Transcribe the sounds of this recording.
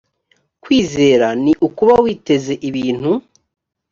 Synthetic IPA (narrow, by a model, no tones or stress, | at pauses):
kwiːze̞ːɾaniʔukuβawiːte̞ze̞ʔiβiːn̥hu